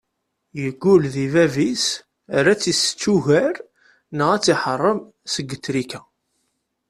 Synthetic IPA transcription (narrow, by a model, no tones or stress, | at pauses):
jəɡːulðivævis | ɾæt͡sːist͡sːuʝəɾ | nəʁæt͡sːiħərˤːəm | səɡːət̪ːɾikæ